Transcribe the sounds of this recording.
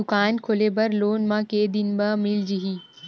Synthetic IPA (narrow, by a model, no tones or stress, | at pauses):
ʊkaːnkʰoleːbɐɾloːnmãːkeːd̪ɪnbɐmɪld͡ʒiɦiː